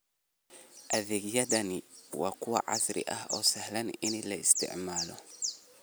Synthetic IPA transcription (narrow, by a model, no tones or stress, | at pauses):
ʔɐðɛːɣjɐðɐnɪwaːkʰʊwɐ̰ʕɑ̰sɾɪ̰ʔɐɦɔːsɐhlɐnɪnɪlɐɪst̪ʰɪ̰ʕmaːlɔ